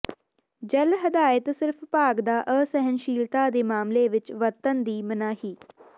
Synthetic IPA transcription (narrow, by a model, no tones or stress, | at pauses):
d͡ʒəlɦəd̪aːɪt̪sɪɾpʰpaːɡd̪aːʔəːsɛɦənʃiːlt̪aːd̪eːmaːmleːʋɪt͡ʃʋət̪ənd̪iːmənaːɦiː